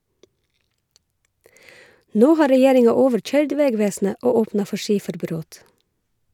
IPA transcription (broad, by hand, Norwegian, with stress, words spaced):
ˈnoː ˈhɑː ɾɛˈjeːɾɪŋɑ ˈoːʋəɹˌc͡çœʏɹɖ ˈʋeːˌɡʋeːsn̩ə ˈoː ˈoːpnɑ ˈfɔ ˈʃiːfəɾˌbɾoːt